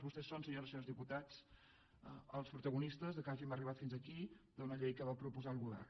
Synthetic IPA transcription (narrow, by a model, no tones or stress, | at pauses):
βust̪ɛsːonsəɲoɾəsozðiput̪at͡s | əlˠspɾut̪əɣunist̪əzðəkaʒiməriβ̞at̪finzəkid̪unəʎejkəβapɾupuzaəlˠɣuβɛ̰r